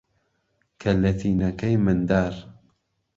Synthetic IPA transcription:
kʰɐlːɐθiːnɐkɐjmɪnd̪aːɾ

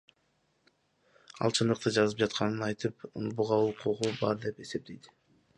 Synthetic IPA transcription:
ɑ̰lˠt͡ʃʰɯnd̪ɯq̚t̪ɯd͡ʒɑzɯp̚d͡ʒɑt̪qʰɑnɯnɑjt̪ɯpṵlbuʁɑuqʰuʁubɑɾd̪e̞pe̞se̞p̚t̪e̞jd̪ɪ̥

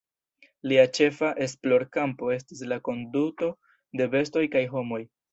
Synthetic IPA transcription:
liat͡ʃe̞faʔe̞s̬plo̞ɾkampo̞e̞s̬tislako̞nduto̞ | de̞be̞sto̞jkajɦo̞mo̞j

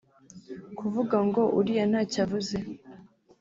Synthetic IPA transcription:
kuvuɡaŋɡo̞ʔuɾijanaːcavuze

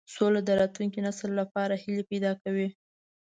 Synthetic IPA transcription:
solad̪əɾɑt̪luŋkinaslːapɑɾahilepajd̪ɑkawi

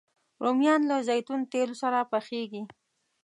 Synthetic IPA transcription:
ɾʔomjɑnlazajt̪unt̪elosaɾapaxeɡi

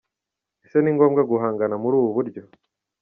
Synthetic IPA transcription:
ese̞niŋɡo̞ːmɡaɡuɦaːŋɡanamuɾuːβuβuɾɟo̞

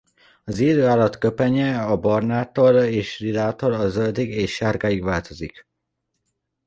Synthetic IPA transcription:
ɒziːd̪øːaːlːɒt̪kø̞pɛɲɛɒbɒrnaːt̪o̞leːʃrilaːt̪olɒzøld̪iɡeːʃːaːrɡaːjiɡʋaːlt̪o̞zik

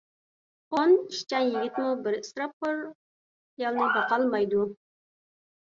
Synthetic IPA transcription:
oniʃt͡ʃɑnjɪɡʲɪt̪mubɪɾst̪ɾɑp̚ʊɾ | ijɑlˠnɑbɑqɑlˠmɑjd̪u

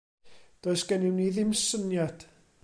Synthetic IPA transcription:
d̥oɨsɡ̥ɛnɪwniðɪmsənjad̥

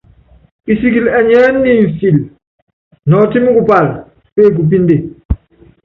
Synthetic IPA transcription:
ʔisik̬ilɛɲanːiɱfil | nɔtimikupal | feːk̬up̬inde

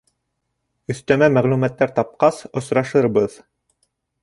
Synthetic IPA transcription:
ɵ̆θt̪æmæmæʁlumæt̪ːæɾt̪ɑp̚qɑsŏsɾɑʃɤɾbɤð

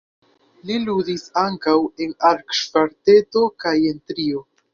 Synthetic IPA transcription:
liludisaŋkawe̞naɾkʃvaɾte̞to̞kaje̞ntɾio̞

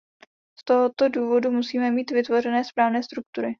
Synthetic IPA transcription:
st̪oɦot̪o̞duːvo̞dumusiːmɛmiːt̪vɪt̪vo̞r̝ɛnɛːspɾaːvnɛːst̪ɾuk̚t̪uɾɪ

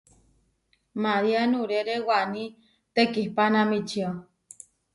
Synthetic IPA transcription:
maɾianuɾeɾewani | t̪ekihpanãmit͡ʃio

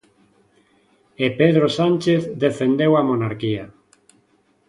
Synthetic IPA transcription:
epeð̞ɾosanʲt͡ʃeθðefend̪ewamonaɾkia

